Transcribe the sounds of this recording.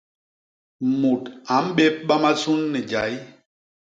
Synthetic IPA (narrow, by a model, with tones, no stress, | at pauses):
mu˨ta˨˦m̩˦ɓe˦p̚ɓa˦ma˦su˦nːi˨d͡ʒa˨˦j